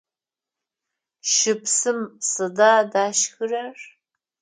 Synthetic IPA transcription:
ʃɪpsɨmsɨdaːdaːʃxɨrar

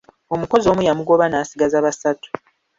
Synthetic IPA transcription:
o̞muko̞zo̞ːmujamuɡo̞βanaːsiɡazaβasatu̥

